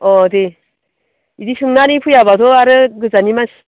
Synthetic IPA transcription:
ʌd̪e | idiɕʰɯŋnanipʰujabadoaɾɯɡɯd͡ʑaɲimanʰ

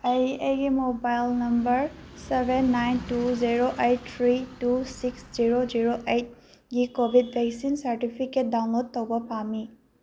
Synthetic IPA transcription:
ɐjejɡimobajlnɐmbɐɾsebʱenːajntuziɾoʔejt̚t̪ʰɾitusiksziɾoziɾoʔejt̚ | ɡikobʱidbʱɛksinsɐɾʈipʰiket̚dawnlod̚tːowbɐpami

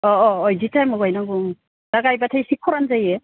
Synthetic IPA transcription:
ɔɔːjditʰajmɔɡajnaɡuŋ | daɡajbatʰajsikʰːɔɾanzaje

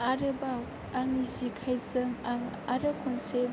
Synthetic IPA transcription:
aɾɯbaw | aŋizikʰajzɯŋaŋ | aɾɯkʰɔnseb

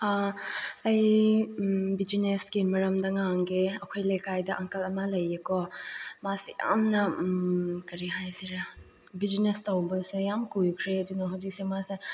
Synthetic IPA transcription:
a | ɐj | bid͡ʒinesɡimɐɾɐmdɐŋaŋɡeɐkʰojlejkajdɐʔaŋkɐlɐmɐlɐjːekɔmasija̰mnɐ | kɐɾiɦajsiɾa | bid͡ʒinestɐwbɐsejamkujkʰɾeɐdunɐɦawzik̚semase

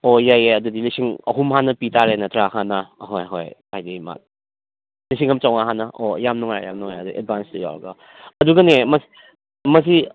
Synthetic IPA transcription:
ojajeɐdudilisiŋɐ̰ɦumɦanːɐpitʰaɾenɐtʰɾaɦanɐːɦojɦo̰jajdima̰t̚ | lis̬iŋhɐmt͡ʃawŋaɦanːɐʔojamnuŋajja̰mnuŋajɐduiʔḛd̚banstɐja̰wɾɡa̰ | ɐduɡɐnemɐs | mɐs̬i

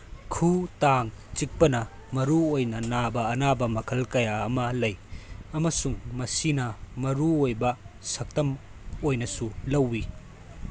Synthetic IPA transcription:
kʰutaŋt͡ʃik̚pɐnɐ | mɐɾuojnɐnabɐːnabɐmɐkʰɐlkɐjaɐmɐlɐjɐmɐsuŋmɐsinɐmɐɾuojbɐsɐk̚tɐm | ojnɐsulɐwːi

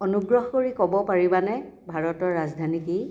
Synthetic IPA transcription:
ɔnuɡɹɔɦɔkoɹikɔbɔpaɹibanɛ | bʱaɹɔtɔɹazdʱanikij

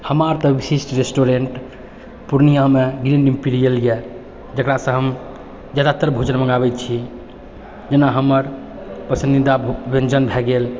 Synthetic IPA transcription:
həmaɾt̪ə̃bisisʈɾesʈoɾeɳʈ | puɾnijameɡɾĩɳɖĩmpiɾijəlije | d͡ʒəkɾasə̃ɦəm | d͡ʒad̪at̪əɾbʱud͡ʒənməŋɡabɛt̪t͡ʃʰi | d͡ʒenaɦəməɾ | pəsinid̪abẽnd͡ʒənbʱɛɡel

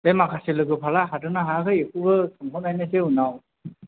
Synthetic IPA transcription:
bemakʰaselɯɡɯpʰalaɦadɯnaɦakʰɯekʰubɯsʰɯmkʰɔnajnɯs̬eunaw

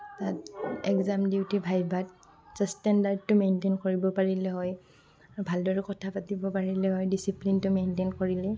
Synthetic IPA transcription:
tatɛkzamdiwtibʱajbat̚ | sɛstɛndaɹd̚tʊmentenkoɹibɔpaɹilɛɦɔj | abʱaldɔɹɛkɔtʰapatibɔpaɹilɛɦɔjdisiplintʊmentenkoɹilɛ

